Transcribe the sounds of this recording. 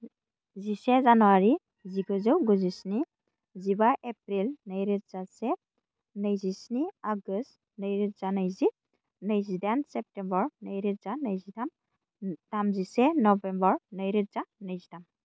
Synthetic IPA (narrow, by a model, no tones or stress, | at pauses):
zisɛzanɔwaɾi | ziɡɔzɯwɡuzisni | zibaʔep̚ɾilnəjɾit̚zasɛ | nəjzisniaɡɯst | nəjɾitzanəjzi | nəjzidansɛp̚tɛmbɔɹnəjɾitzanəjzidam | d̥amzisɛnɔbɛmbɔɹnəjɾit̚zanəjzidam